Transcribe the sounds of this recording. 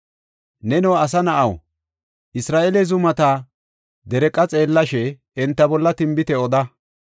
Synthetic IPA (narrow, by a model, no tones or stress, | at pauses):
nɛnɔwɐs̬ɐnɐʔɐw | ʔɪsɾaːʔɛlɛzʊmɐt̪ɐ | d̪ɛɾɛkʼːɐt͡sʼe̞ːlːɐʃɛː | nt̪ːɐbɔlːɐt̪ɪmbɪt̪ɛɔd̪ɐ